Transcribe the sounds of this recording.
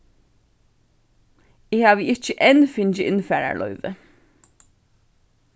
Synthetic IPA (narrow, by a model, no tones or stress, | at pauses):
iːhɑːʋəɪc͡çəʔɛnfɪnçəʔɪnfæːɹæ̰ɭʔœʏʋə